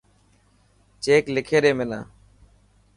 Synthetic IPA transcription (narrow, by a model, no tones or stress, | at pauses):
t͡ʃeːklɪkʰeːɗeːmenã̰ː